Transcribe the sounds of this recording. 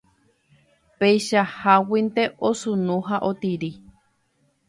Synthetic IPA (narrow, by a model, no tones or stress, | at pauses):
pejʃahawint̪eʔosunũɦaʔot̪iɾi